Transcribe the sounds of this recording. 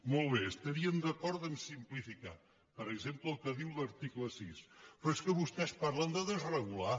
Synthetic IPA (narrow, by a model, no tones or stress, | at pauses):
molˠβeəst̪ɐɾiəmd̪əkɔɾðənsimplifika̰ | pəɾəɡzempləəlˠkəðiwləɾt̪ikləsispɾeskəβust̪ɛspaɾland̪əðəzrəɣula